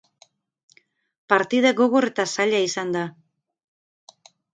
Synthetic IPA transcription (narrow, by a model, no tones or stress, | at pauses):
paɾt̪iðaɣo̞ɣo̞ɾe̞t̪asaʎaisand̪a